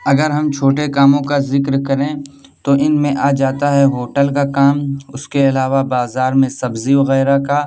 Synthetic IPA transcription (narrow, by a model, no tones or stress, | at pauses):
ɐɡəɾɦɐmt͡ʃʰoːʈekaːmõkazɪkɾkɐɾẽ | t̪oʔɪnmẽʔaːd͡ʒaːt̪aɦɛɦoːʈəlkakaːmʊskeɐlaːʋabaːzaːɾmẽsɐbziʋɐɣɛːɾaka